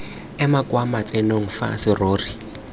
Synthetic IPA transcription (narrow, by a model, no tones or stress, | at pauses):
ɛmakʼwamat͡sʼenoŋ̩fa̰sɪroːri